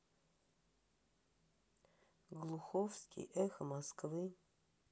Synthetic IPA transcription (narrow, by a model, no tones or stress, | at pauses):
ɡlˠuxofskʲʰʼḭʔɛxmaskʰvɨ